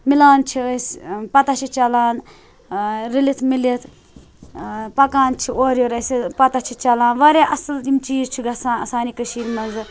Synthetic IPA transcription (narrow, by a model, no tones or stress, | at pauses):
milaːnt͡ʃʰiəsʲpɐt̪ɐt͡ʃʰit͡ʃɐlaːn | ɾilit̪ʰmilit̪ʰ | pɐkaːnt͡ʃʰioːɾjoɾɐsipɐt̪at͡ʃʰit͡ʃɐlaːnʋɐɾeʔɐsltimt͡ʃiːzt͡ʃʰiɡɐsaːɐsaːnikəʃiːɾmɐnzɨ